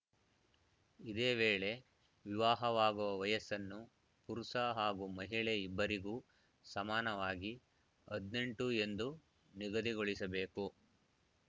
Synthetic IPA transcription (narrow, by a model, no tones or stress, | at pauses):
id̪eːʋeːɭe̞ | ʋiʋaːɦɐʋaːɡuʋɐʋɐjɐsɐnːu | puɾusaɦaːɡumɐɦiɭeibːɐɾiɡuː | sɐmaːnɐʋaːɡi | ɐd̪ne̞ɳʈue̞nd̪u | niɡɐd̪iɡoɭisɐbe̞ːku